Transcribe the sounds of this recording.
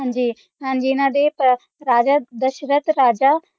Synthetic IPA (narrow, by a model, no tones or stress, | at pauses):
ɦãːnd͡ʒiː | ɦãːd͡ʒiːɪnãːd̪eːp | ɾaːd͡ʒaːd̪əʃɾət̪ɾaːd͡ʒaː